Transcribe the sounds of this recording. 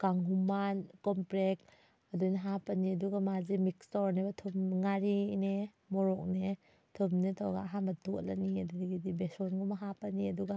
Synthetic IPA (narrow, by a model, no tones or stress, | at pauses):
kaŋɦumankɔmpɾek | ɐdunaɦapaniɐduɡamazimikstɔɾnebatʰumŋaɾine | mɔɾɔk̚ne | tʰumnetʰɔwɡa̰aɦanbɐtula̰niɐdudiɡidibesɔnɡɔmaɦapɐniɐduɡa